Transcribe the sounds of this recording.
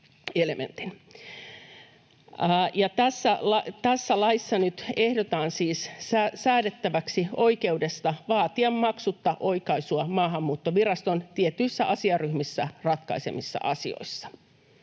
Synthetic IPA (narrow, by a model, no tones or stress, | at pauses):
elemḛnt̪in | jɑt̪æsːælɑt̪æsːælɑisːɑnyt̪ehdot̪ɑːnsiːssæsæːdet̪ːæʋæksio̞ike̞udest̪ɑʋɑːt̪iɑmmɑksut̪ːɑʔoikɑisuɑmɑːɦɑmːuːt̪ːoʋirɑst̪ont̪iet̪ːyisːæʔɑsiɑryhmisːærɑt̪kɑ̰isḛmisːɑ̰ʔɑsḭo̰isːɑ̥